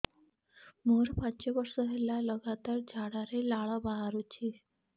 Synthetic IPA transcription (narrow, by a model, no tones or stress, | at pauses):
moɾpaɲt͡ɕeʋəɾsəɦelaləɡat̪aɾd͡ʑʱaɽaɾelaɭəbaɦaɾut͡ɕi